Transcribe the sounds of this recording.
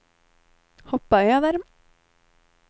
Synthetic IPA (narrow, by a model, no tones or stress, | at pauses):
hɔpːajaðɛɾ